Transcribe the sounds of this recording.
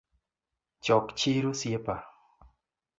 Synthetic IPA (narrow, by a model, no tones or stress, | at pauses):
t͡ʃɔkt͡ʃɪɾosjepa